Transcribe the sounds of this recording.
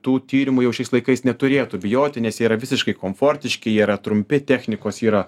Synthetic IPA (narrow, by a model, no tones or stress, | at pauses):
t̪uːt̪ʲiːɾʲɪmujɛʊʃʲɛɪslˠɐɪkɐɪsnʲɛt̪ʊɾʲeːt̪ʊbʲɪjoːt̪ʲɪnʲɛsʲjiːɾɐʋʲɪsʲɪʃkɐɪkoːmfoːrʲt̪ʲɪʃʲkʲɪjɛiɾɐt̪ɾʊmʲpʲɪt̪ʲæːxʲnʲɪkoːsiːɾɐ